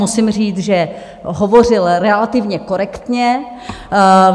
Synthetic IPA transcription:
usɪmriːt͡sʒɛ | ɦovo̞r̝ɪlɾɛlat̪ɪvɲɛkoɾɛkt̪ɲɛ

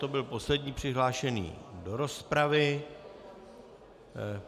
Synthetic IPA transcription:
t̪o̞bɪlpo̞slɛdɲiːpr̝̥ɪɦlaːʃɛnḭːdo̞ɾo̞spɾavɪ

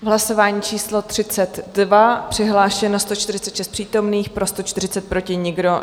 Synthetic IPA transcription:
vɦlaso̞vaːɲiːt͡ʃiːslo̞t̪r̝̥ɪt͡sɛt̪dvapr̝̥ɪɦlaːʃɛnast̪ot͡ʃt̪ɪɾɪ̥t͡sɛt̪ʃɛst̪̚pr̥iːt̪o̞mniːxpɾo̞st̪ot͡ʃt̪ɪr̝ɪt͡sɛt̪̚pɾo̞cɪɲɪɡdo̞

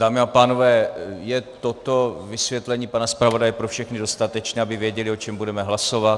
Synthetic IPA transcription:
d̥aːmɪapaːno̞vɛːjɛt̪ot̪o̞vɪsvjɛt̪lɛɲiːpanaspɾavo̞dajɛpɾofʃɛxnɪdo̞st̪at̪ɛt͡ʃnɛːabɪvjɛɟɛlɪo̞t͡ʃɛmbudɛmɛɦlaso̞vat̪

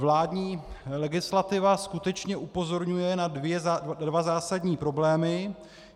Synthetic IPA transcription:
vlaːdɲiː | lɛɡɪslat̪ɪvaskut̪ɛt͡ʃɲɛʔupo̞zo̞ɾɲujɛnadvjɛzdvazaːsadɲiːpɾo̞blɛːmɪ

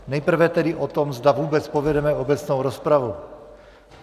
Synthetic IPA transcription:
nɛjpr̩vɛt̪ɛdiʔot̪omzd̪avuːbɛt͡spovɛdɛmɛobɛt͡snowɾospɾavu

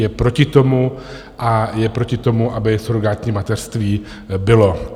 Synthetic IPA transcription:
jɛpɾo̞cɪt̪o̞mu | ʔajɛpɾo̞cɪt̪o̞muʔabɪsoɾoɡat̪ɲiːmat̪ɛr̥st̪viː | bɪlo̞

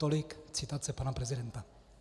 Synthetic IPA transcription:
t̪olɪkt͡sɪt̪at͡sɛpanapɾɛzɪdɛnt̪a

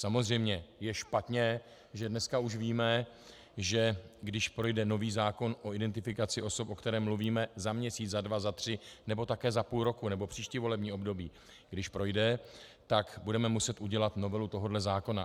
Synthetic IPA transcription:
samo̞zr̝ɛjmɲɛjɛʃpat̪ɲɛ | ʒɛdnɛskauʃviːmɛ | ʒɛɡdɪʃpɾo̞jdɛno̞viːzaːko̞nʔoɪdɛnt̪ɪfɪkat͡sɪʔo̞so̞pʔo̞kt̪ɛɾɛːmluviːmɛzamɲɛsiːt͡szadvazat̪r̝̥ɪnɛbo̞t̪akɛːzapuːlɾo̞kunɛbo̞pr̥iːʃcɪvo̞lɛbɲiːo̞bdo̞biː | ɡdɪʃpɾo̞jdɛt̪akbudɛmɛmusɛt̪ʔuɟɛlat̪no̞vɛlut̪o̞ɦo̞dlɛzaːko̞na

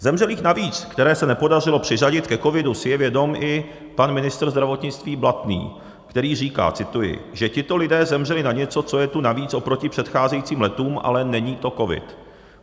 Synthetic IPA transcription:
zɛmrɛliːxnaviːt͡skt̪ɛɾɛːsɛnɛpo̞dar̝ɪlo̞pr̝̥ɪraɟɪt̪kɛko̞vɪdusɪjɛvjɛdo̞mʔɪ | panmɪnɪst̪r̩zd̪ɾavo̞t̪ɲɪt͡st̪viːblat̪nḭː | kt̪ɛɾiːriːka̰ːt͡sɪt̪ujɪ̰ʒɛcɪt̪o̞lɪdɛːzɛmr̝ɛlɪnaɲɛt͡so̞t͡so̞jɛt̪unaviːt͡sʔo̞pɾo̞cɪpr̝̥ɛt̪xaːzɛjit͡siːmlɛt̪uːmʔa̰lɛnɛɲiːt̪o̞ko̞vɪ̰t̪

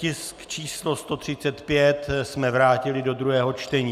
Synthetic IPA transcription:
cɪskt͡ʃiːslo̞st̪o̞t̪r̝̥ɪt͡sɛt̪pjɛt̪smɛvɾaːcɪlɪdo̞d̪ɾuɦɛːɦo̞t͡ʃt̪ɛɲiː

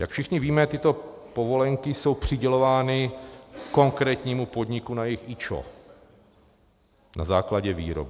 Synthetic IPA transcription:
jakfʃɪxɲɪviːmɛt̪ɪt̪o̞ | po̞vo̞lɛŋkɪso̞wpr̝̥ɪɟɛlo̞vaːnɪko̞ŋkɾɛːt̪ɲiːmupo̞d̪ɲɪkunajɛxit͡ʃo̰ | na̰zaːklaɟɛvḭːɾo̰bɪ

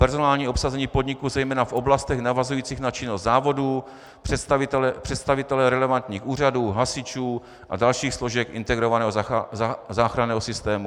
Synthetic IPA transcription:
pɛɾzo̞naːlɲiːʔo̞psazɛɲiːpodɲɪkuzɛjmɛːnafʔo̞blast̪ɛɣnavazujiːt͡siːxnat͡ʃɪnost̪d̪zaːvo̞duː | pr̥ɛt̪st̪avɪt̪ɛlɛpr̝̥ɛt̪st̪avɪt̪ɛlɛɾɛlɛvant̪ɲiːxuːr̝aduːɦasɪt͡ʃuː | ʔa̰dalʃiːxslo̞ʒɛkʔɪ̰nt̪ɛɡɾo̞vanɛːɦoazaːxɾanɛːɦosɪst̪ɛːmu

